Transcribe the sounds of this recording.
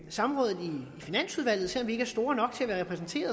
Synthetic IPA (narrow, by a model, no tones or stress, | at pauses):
sɑ̈mmʁɔ̽ːðð̩ˠiːfinæn̰suð̞ˠʋæl̰ð̩ˠsḛɒmʋie̝ɡ̥əæɐsd̥o̝ːɐnɒ̽ɡ̥̚t͡sʰe̝æʋæːɐʁɛpʰʁɛsn̩t͡sʰe̝̰ːɐð